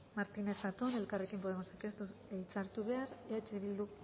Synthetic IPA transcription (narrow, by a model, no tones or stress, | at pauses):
maɾt̪ine̞sat̪une̞lkarekimpoðemosakest̪uejt͡saɾt̪uβe̞aɾeat͡ʃeβild̪u